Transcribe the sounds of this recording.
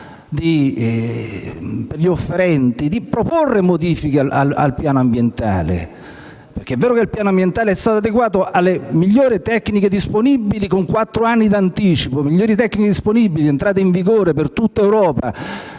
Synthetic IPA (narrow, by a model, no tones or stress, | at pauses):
d̪i | perʎiofːeɾɛnt̪id̪ipɾoporːemod̪iːfikeaa̰la̰lpjaːnoambjent̪a̰ːlḛ | perk̟eɛvːɛːɾokeilpjaːnoambjent̪aːleɛst̪aːt̪oad̪eɡwaːt̪oʔalːemiʎːoːɾit̪ɛkːniked̪isponibilikoŋkwat̪ːɾoanːid̪ant̪iːt͡ʃipomiʎːoːɾit̪ɛkːniked̪isponibːilient̪ɾaːt̪̬eiɱviɡoːɾepert̪ut̪ːaewɾɔːpa